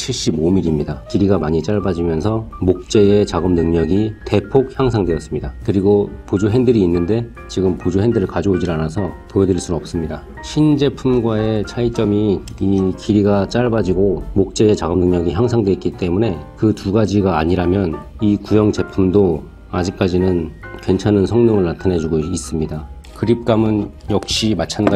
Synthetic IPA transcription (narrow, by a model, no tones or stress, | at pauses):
t͡ɕʰiɭɕ͈ibomiɾimɲidakiɾiɡamaɲit͡ɕ͈aɭbad͡ʑimjʌnsʰʌmok̚t͡ɕ͈e̞e̞t͡ɕaɡɯmnɯŋɲʌɡite̞pʰok̚çjaŋsʰaŋdwe̞jʌs͈ɯmɲidakɯɾiɡopod͡ʑuɦe̞ndɯɾiːnːɯnde̞ | t͡ɕiɡɯmpod͡ʑuɦendɯɾɯɭkad͡ʑʌod͡ʑiɾanasʰʌpoedɯɾiɭs͈unnʌp̚s͈ɯmɲida | ɕʰind͡ʑe̞pʰumɡwae̞t͡ɕʰait͡ɕ͈ʌmiikiɾiɡat͡ɕ͈aɭbad͡ʑiɡomok̚t͡ɕ͈e̞ːt͡ɕaɡɯmnɯŋɲʌɡiçjaŋsʰaŋdwe̞itk͈it͈e̞mune̞kɯtuɡad͡ʑiɡaːɲiɾamjʌn | ikujʌŋt͡ɕe̞pʰumdo | ad͡ʑik̚k͈ad͡ʑinɯnkwe̞nt͡ɕʰanɯnsʰʌŋnɯŋɯɭnatʰane̞d͡ʑuɡois͈ɯmɲida | kɯɾip̚k͈amɯn | jʌk̚ɕ͈imat͡ɕʰanɡa